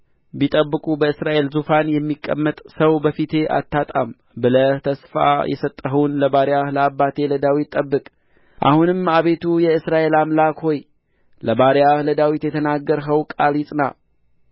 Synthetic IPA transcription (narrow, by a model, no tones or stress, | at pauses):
bit̪ʼəbːɨkʼubəɨsɾaʔe̞lzufanjɛmːikʼːə̰mːət̪ʼsəwbəfit̪ʰe̞ʔa̰t̪ʰːat̪ʼa̰m | bɨlət̪ʰəsfa̰jʔɛ̰sət̪ʼːəɦəwnləbaɾahləabːat̪ʰe̞ləd̪awit̪ʼːəbːɨkʼ | ʔa̰hunɨmaβe̞t̪ʰujɛɨsɾaʔe̞lamlakho̞j | ləbaɾijahləd̪awit̪jɛt̪ʰənaɡːəɾɦəwkʼaljisʼna